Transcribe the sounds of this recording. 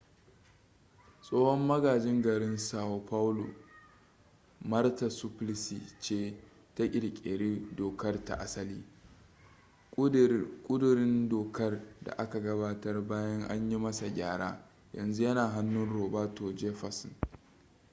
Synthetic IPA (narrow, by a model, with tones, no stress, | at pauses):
sʼoː˦hɔ˦mːɐ˦ɡaː˨d͡ʒɪ˦ŋɡɐ˨ɾɪ˦nsaː˨wo˨pa˦wlṵ˨ | mɐ˦rta˨su˦plɪ˦si˨t͡ʃeː˦ | ta˦ʔʲʼɪ˨ɽkʲʼḛ˨ɾi˦doː˨kɐ˦rta̰˨ʔa˦sɐ˦liː˦ | kʷʼʊ˦dʊ˨ɾɪ˦ndoː˨kɐ˦rda̰˨ʔa˦ka˨ɡɐ˦baː˦tɐ˦rbaː˦jɐ˦ŋʔa̰˦ɲji˦mɐ˦sa˨ɡʲaː˦˨ɽa̰ː˦ | jɐ̰˨nzu˦jɐ˦naː˨ɦa˦nːʊ˦nɽoː˨baː˦to˨d͡ʒeː˦ɸɐ˨sɪ˨n